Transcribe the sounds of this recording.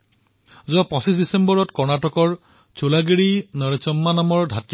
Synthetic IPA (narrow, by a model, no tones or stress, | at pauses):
zuɔpɔ̃sisdisembɔɹɔtkɔɹnatɔkɔɹ | t͡ʃʰolaɡiɹinɔɹet͡ʃɔmːanamɔɹdʱatj